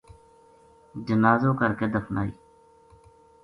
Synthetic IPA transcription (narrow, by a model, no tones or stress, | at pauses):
d͡ʒənaːzõːkəɾkeːd̪əfʰnaːḭː